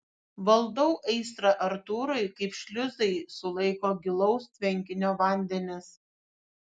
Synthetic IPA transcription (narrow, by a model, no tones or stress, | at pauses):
ʋɐlˠd̪ɔʊʔɛɪsɾɐʔɐɾt̪uːɾɐɪkɐɪpʃʲlʲʊzɐɪsʊlˠɐɪkoːɡʲɪlˠɒʊst̪ʲʋʲɛŋʲkʲɪnʲoːʋɐˑnʲd̪ʲɛnʲɪs